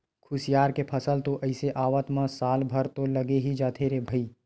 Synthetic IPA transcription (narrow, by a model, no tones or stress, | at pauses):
kʰʊsijaːɾkepʰɐsəlt̪oʔɐɪseʔaːʋət̪mãsaːlbʱɐɾt̪olɐɡeɦid͡ʒaːt̪ʰeɾebʱəiː